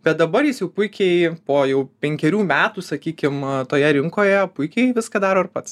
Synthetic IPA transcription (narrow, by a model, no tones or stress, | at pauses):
bʲɛt̪̚d̪ɐbɐɾjɪsjɛʊpʊɪkʲɛɪpoːjɛʊpʲɛŋʲkʲɛɾʲuːmʲæːt̪uːsɐkʲiːkʲɪmt̪oːjɛɾʲɪŋkoːjɛpʊɪkʲɛɪʋʲɪskɐd̪ɑːɾoːɪrpɐt̪s